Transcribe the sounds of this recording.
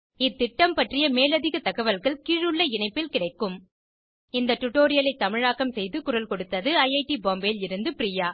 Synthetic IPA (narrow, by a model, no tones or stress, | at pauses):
ɪt̪ːɪʈːɐmpɐʈrɪjɐmeːlɐðɪɣɐt̪ɐɣɐʋɐlɣɐɭkiːɻɯɭːɐɪɳɐɪpːɪlkɪɽɐɪkːɯm | ɪnd̪ɐʈʊʈːoːɾɪjɐlɐɪt̪ːɐmɪɻaːkɐmsɛjðɯkʊɾɐlkɔɽɯt̪ːɐðɯɐɪɐɪʈiboːmbeːlɪɾɯnd̪ɯpɪɾiːjaː